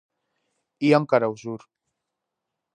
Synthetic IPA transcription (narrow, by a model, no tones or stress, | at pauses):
iamkaɾawzuɾ